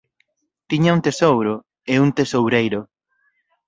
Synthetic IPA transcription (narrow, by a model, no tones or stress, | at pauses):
t̪iɲauŋt̪esowɾʊ | euŋt̪esowɾejɾʊ